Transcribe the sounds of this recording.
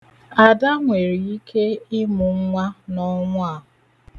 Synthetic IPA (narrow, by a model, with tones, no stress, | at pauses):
a˨da˦ŋʷe˨ɾi˨i˦kʰe˦ɪ˦mʊ˨ŋ̩˦ŋʷa˦nɔ˦ŋʷʊ˦a˨ɦʊ˨